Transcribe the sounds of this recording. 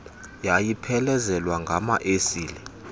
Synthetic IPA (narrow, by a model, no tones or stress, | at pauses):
jajipʰɛlɛzɛlwaŋɡʱamaʔesiːlɛ